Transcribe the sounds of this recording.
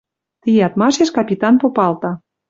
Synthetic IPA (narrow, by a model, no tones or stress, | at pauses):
t̪ijɑt̪mɑʃeʃkɑpʲit̪ɑnpopɑlt̪ɑ